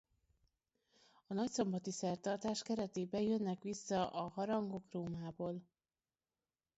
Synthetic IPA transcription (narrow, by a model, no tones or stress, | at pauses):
ɒnɒcso̞mbɒt̪isɛrt̪ɒrt̪aːʃkɛɾɛt̪eːbɛjønːɛkʋisːɒʔɒɦɒɾɒŋɡo̞kroːmaːboːl